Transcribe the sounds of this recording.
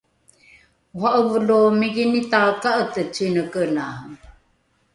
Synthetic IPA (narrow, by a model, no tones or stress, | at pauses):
uɦaʔəvəlomiɡinitalkaʔətət͡sinəkəna